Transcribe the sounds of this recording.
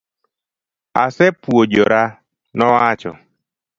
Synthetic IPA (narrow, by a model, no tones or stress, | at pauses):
a̰sɛpuod͡ʒoɾa | nɔat͡ʃɔ̰